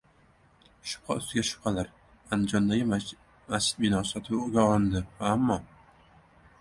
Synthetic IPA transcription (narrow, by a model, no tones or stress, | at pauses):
ʃʊ̥p̚qʰɑʊst̪ɪɡʲaʃʊ̥p̚qʰɑlaɾ | and͡ʒɒnd̪aɡʲɪ | masd͡ʒɪ̥d̪bɪnɒsɒt̪ʰɪpʊɡʲaɒlˠɪnd̪ɪamːɒ